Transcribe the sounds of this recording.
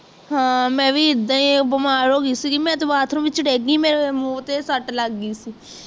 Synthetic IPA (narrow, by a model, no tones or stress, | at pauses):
ɦãːmɛ̃ːʋiːɪd̪ãĩbəmaːɾoːɡiːsiːkimɛ̃ːt̪oːʋaːt̪ʰɾõːʋɪt͡ʃəɽeːɡĩːmeːɾemoːt̪eːsəʈləɡːiːsiː